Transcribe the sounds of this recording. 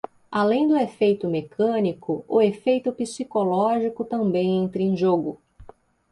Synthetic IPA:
alẽj̃d̪ʊefejt̪ʊmekʰɐ̃nikʊʊefejt̪ʊpisikolɔʒikʊt̪ɐ̃mbẽj̃ẽnt̪ɾɪẽj̃ʒoɡʊ

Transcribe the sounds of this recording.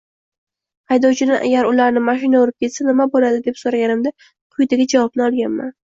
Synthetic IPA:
hajd̪ɒwt͡ʃʰɪnɪʔa̰ɡʲaɾʊlaɾnɪmaʃɪnaoɾɪp̚kʲʰe̞t̪sanɪmabolad̪ɪd̪e̞psoɾaɡʲanɪmd̪a | qʰʊjd̪aɡʲad͡ʒavɒbnɪɒlˠɡʲanma̰n

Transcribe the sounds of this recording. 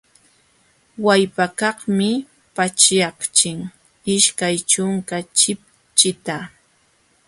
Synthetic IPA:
wajpakɑχmɪ | pat͡ʃjɑχt͡ʃɪŋ | ɪʃkajt͡ʃʊŋkat͡ʃɪp̚ | t͡ʃɪt̪a

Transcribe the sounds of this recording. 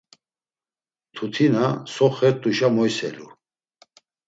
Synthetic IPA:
t̪ʰut̪ʰinasɔχɛɾt̪ʼuʃamɔjsɛ̰lu

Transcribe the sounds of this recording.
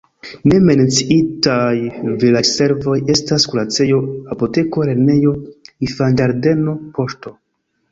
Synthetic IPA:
ne̞me̞nt͡siitajvilase̞ɾvo̞je̞staskulat͡se̞jo̞apote̞ko̞ɾe̞ɾne̞jo̞ifand͡ʒaɾde̞no̞po̞ʃto̞

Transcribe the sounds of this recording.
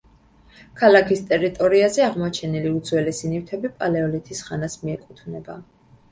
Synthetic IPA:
kʰalakʰist̪ʼɛɾit̪ʼɔɾiazɛaʁmɔt͡ʃʰɛniliud̪zwɛlɛsinift̪ʰɛbipʼalɛɔlit̪ʰisχanasmiɛkʼut̪ʰvnɛba

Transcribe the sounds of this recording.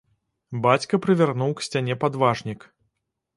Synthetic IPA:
bat͡sʲkɐpɾɨvʲarnuwksʲt͡sʲanʲɛpad̪vaʐnʲik

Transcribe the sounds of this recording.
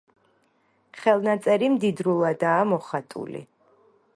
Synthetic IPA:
χɛlˠnat̪sʼɛɾimd̪id̪ɾulˠad̪aːmɔχat̪ʼṵlḭ

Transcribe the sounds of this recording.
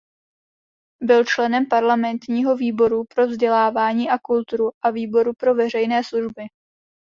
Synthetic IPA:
bɪlt͡ʃlɛnɛmpaɾlamɛnt̪ɲiːɦo̞viːbo̞ɾupɾo̞vzɟɛlaːvaːɲiːʔakult̪uɾuʔaviːbo̞ɾupɾo̞vɛr̝ɛjnɛːsluʒbɪ

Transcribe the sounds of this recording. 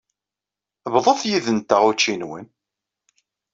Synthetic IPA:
βðˤəθjiðənt̪əʁut͡ʃːinwə̰n

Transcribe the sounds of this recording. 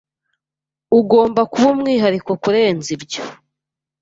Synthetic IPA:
uɡo̞ːmbakuβomŋiːɦaɾikwokuɾe̞ːnzibɟo̥

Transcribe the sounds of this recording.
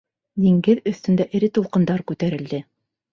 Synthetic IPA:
j̪ĭŋɡɘðɵ̆θt̪ɵ̆nd̪æʔɘ̆ɾɘt̪ulˠqɤ̆nd̪ɑɾkʉt̪æɾɘ̆ld̪ɘ

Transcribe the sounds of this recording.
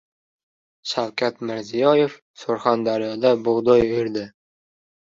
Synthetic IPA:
ʃawkʲʰat̪mɪɾzijɒjef | soɾχand̪aɾijɒd̪abʊʁd̪ɒjojɾd̪ɪ

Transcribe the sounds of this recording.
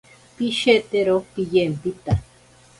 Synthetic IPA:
piʃet̪eɾopijempit̪a

